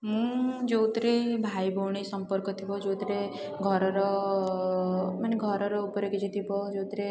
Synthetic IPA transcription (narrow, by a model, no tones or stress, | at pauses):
mũd͡ʒot̪ɾebʱaibʱoɳisəmpəɾkɔt̪ʰibɔd͡ʒot̪ɾe | ɡʱɔɾɔɾɔ | maneɡʱɔɾɔɾɔupəɾeked͡ʒit̪ʰibɔd͡ʒot̪ɾe